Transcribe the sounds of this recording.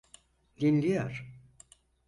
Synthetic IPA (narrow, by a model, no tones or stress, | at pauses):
d̪inlʲija̰ɾ̥